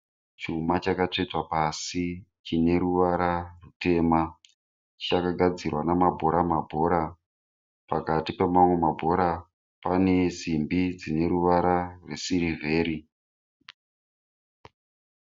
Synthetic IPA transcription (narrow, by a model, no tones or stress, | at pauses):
t͡ʃumat͡ʃakat͡ʂetwapasit͡ʃine̞ɾuʋaɾarute̞ːma | t͡ʃakaɡʱad͡zirwanamabʱo̞ɾamabʱo̞ːɾa | pakatipemamwe̞mabʱo̞ɾa | pane̞zimbid͡zine̞ɾuʋaɾarwesiɾive̞ːɾi